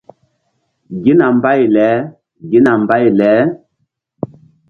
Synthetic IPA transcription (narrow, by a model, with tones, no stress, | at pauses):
ɡi˦na˨mba˦jlɛ˨˦ | ɡi˦na˨mba˦jlɛ˨˦